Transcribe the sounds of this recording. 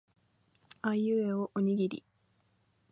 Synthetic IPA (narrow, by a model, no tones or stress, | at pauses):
aijɯeoʔoɲ̟iɡʲiɾʲḭ